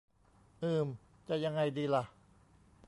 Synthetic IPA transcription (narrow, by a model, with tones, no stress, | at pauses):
ʔɯː˨˧˩m | t͡ɕa˧˩ja˧ŋa˧jdiː˧la˧ʔ